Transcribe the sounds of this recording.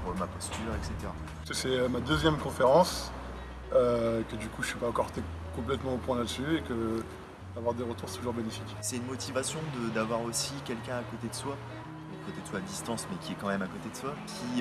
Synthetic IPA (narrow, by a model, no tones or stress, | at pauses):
ʁəmapɔst̪yʁɛkset̪eʁa | skəsɛømad̪øzjɛmkɔ̃feʁɑ̃s | økəd̪ykuəsɥipaɑ̃kɔʁt̪e | kɔ̃plɛt̪mɑ̃opwɛ̃lad̪əsyekə | d̪avwaʁd̪eʁət̪uʁst̪uʒuʁbenefikʲsɛynmɔt̪ivasjɔ̃d̪əd̪avwaʁosikʲɛlkʲɛ̃akot̪ed̪əswã | akot̪ed̪əswaːd̪ist̪ɑ̃smɛkʲiɛkɑ̃mɛmakot̪ed̪əswakʲʰi